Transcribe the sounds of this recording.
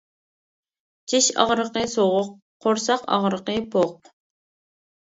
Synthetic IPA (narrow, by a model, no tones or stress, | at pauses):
t͡ʃʰiʃɑ̰ʁɾəqəsoʁʊq̚ʰː | oɾsɑqɑ̰ʁɾəqəpʰoq̚